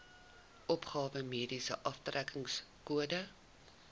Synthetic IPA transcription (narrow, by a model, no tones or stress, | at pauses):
ʔɔpχɑːvəmiədisəʔɐftrækəŋskuədə